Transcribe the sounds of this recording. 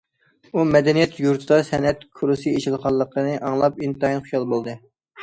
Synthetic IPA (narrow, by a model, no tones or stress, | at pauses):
umɛd̪ɛnijɛt̪ʰjuɾt̪ʰɨd̪ɑsɛnɛt̪kʰuɾusɨeʃilˠʁɑlˠːəqʰənɨʔɑŋlˠɑpint̪ɑinχujɑlˠbolˠd̪ɨ